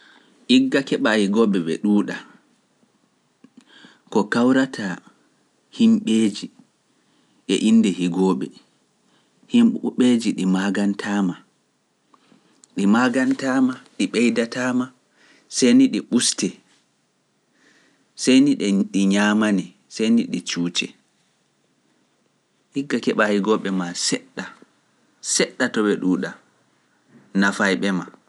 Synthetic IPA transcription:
ʔiɡːakɛɓahiɡɔɓɛɓɛ̰ɗuːɗa | kɔkawɾatʰa | himɓeːd͡ʒi | ʔɛ̰ʔindɛhiɡɔɓɛ̰ | himɓed͡ʒiɗimaɡantʰaːma | ɗimaɡantaːmaɗiɓɛjdataːma | sejniɗiɓustɛ | sejniɗɛɗiɲaːmani | sajniɗit͡ʃuːt͡ʃɛ | hiɡːakɛɓahiɡɔɓːɛmasɛɗːa | sɛɗːatɔɓɛɗuːɗa | nafajɓɛma

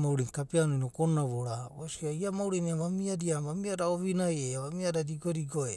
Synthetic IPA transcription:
mauɾiŋkapianonokonaβoɾaosiaiamawɾiniamamiadiamamiadaoβinajeaβamiadadiɡoɾiɡoe

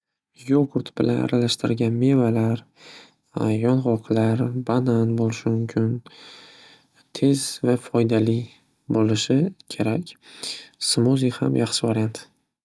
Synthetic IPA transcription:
joɡʊɾt̪bɪlʔa̰na̰ɾalaʃt̪ɪɾɡʲanme̞valaɾ | jɒnʁɒqʰlaɾbananbolɪʃɪmʊmkʲʰɪn | t̪ʰe̞zvafɒjd̪ali | bolɪʃɪkʲʰe̞ɾakʲ | sɪmoziha̰mjʔɑχʃɪvaɾjant̪

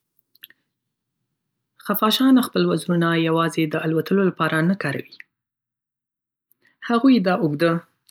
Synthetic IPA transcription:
xafɑʃɑnaxpəlwazɾunajawɑzed̪əalwat̪əlolapɑɾanakɑɾa̰wi | haɣujd̪ɑʔʊɡd̪ə

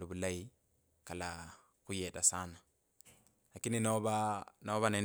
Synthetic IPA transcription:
duβulai | kala | kujetasana | lakininoβanaβane

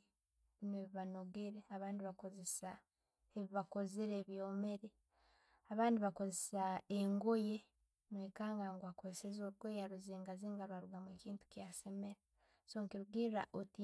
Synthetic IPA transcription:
inweːβiβano̞ɡeɾeaβaːndiβako̞ze̞sa | eβiβako̞ziɾeβjoːme̞ɾe | aβaːndiβako̞zesaeŋɡo̞je̞ | nweːkaːŋɡaŋɡwako̞zesezoɾuɡojaɾuziːŋɡaziːŋɡaɾwaɾuɡamuekiːntu̥kjase̞meɾa | soːŋkiɾuɡiɾa̰ʔoti

